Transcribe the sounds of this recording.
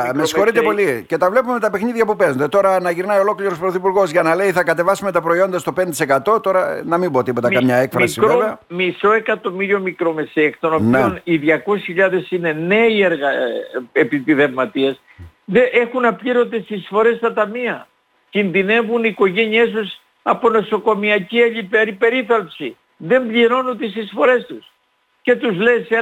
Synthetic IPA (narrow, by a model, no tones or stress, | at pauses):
messxo̞ɾit̪epo̞lice̞t̪ɐvle̞pumemet̪ɐpe̞xniðʝɐpupe̞zond̪et̪o̞ɾɐnɐʝiɾnɐio̞lo̞kliɾos̬pɾoθipuɾɣo̞zʝɐnɐle̞iθɐkɐt̪e̞vɐsume̞t̪ɐpɾo̞io̞nd̪ɐst̪o̞pent̪ise̞kɐt̪o̞t̪o̞ɾɐnɐmibot̪ipo̞t̪emkɐmɲɐekfɾɐsieoveɐmiso̞e̞kɐt̪o̞miɾio̞mikɾo̞mesekt̪onopnieoniðʝɐko̞sisçiʎɐðe̞sine̞ne̞ieɾɣɐepit̪iðevmɐt̪ieɐs | ðeʔe̞xunɐpʎiɾo̞t̪est̪isfo̞ɾe̞st̪ɐt̪ɐmiɐ | cinðine̞vuniko̞ʝe̞ɲiest̪us | ɐpo̞no̞so̞ko̞miɐciɐʎipeɾipe̞ɾiθɐlpsi | ðe̞mbʎiɾo̞nut̪est̪isfo̞ɾe̞st̪us | ce̞t̪uzlese